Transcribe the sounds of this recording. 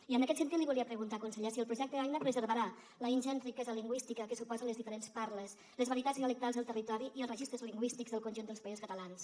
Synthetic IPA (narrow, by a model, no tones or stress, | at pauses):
iənəkɛt̪sənt̪it̪liβulˠiəpɾəɣunt̪akunsəʎesiəlˠpɾuʒɛk̚t̪əðaɡnəpɾəzəɾβəɾa | ləinʲʒɛnrikɛzəliŋɡwist̪ikəkəsupɔzələzðifəɾenspaɾləs | ləzβəɾiət̪azniələk̚t̪alˠzðəlˠt̪ərit̪ɔɾiʔiəlˠrəʒist̪ɾəzliŋɡwist̪ikzðəlˠkunʲʒund̪əlˠspaizuskət̪əlans